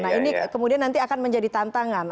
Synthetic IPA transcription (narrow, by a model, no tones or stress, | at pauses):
naɦinikəmudianːant̪iakanməɲd͡ʒadit̪ant̪aŋan